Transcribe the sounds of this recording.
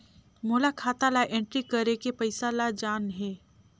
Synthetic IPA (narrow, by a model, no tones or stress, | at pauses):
moːlakʰaːt̪alaʔẽɳʈɾikəɾekepəɪsalad͡ʒaːnɦɛː